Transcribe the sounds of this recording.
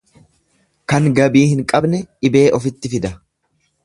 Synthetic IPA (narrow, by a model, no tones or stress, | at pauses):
kɐŋɡɐbiːhɪŋkʼɐbnɛʔɪbe̞ːʔɔfɪt̪ːɪfɪd̪ɐ